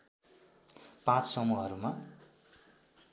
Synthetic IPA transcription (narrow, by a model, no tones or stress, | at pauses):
pãt͡ssʌmuɦʌɾuma